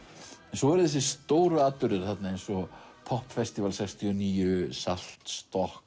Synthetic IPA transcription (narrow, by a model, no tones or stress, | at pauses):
ɛnsɔɛɾʏθɛs̬ɪ̥st̪oːwɾʏaːt̪ʏɾðɪɾ̥θat̪naejnsɔpʰɔhpfɛst̪ivalsɛkst̪ʰiɔniːjʏsal̥t̪st̪ɔhk